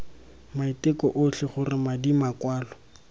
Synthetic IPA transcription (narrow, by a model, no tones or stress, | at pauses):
maitɪkɔʔoɬɪχʊrɪmadimakwaːlɔ